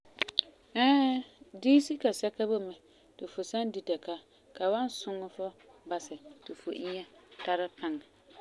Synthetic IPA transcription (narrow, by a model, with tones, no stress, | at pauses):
ɛː˦diː˦si˦ka˨sɛ˦ka˦bʊ˦mɛ˨ | tɪ˨fʊ˨sa˦ndi˨tɛ˨ka˦ | ka˨wa˦n˦sʊ˦ŋɔ˦fʊ˦ | ba˨sɪ˨tɪ˨fʊ˨ʔɪ˦ɲɛ˦ta˦ɾɪ˦pʰa˦ŋa˨